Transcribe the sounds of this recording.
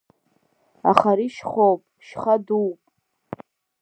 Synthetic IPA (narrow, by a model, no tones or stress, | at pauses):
a̰χaɾiʃχowpʼʃχaduwpʼ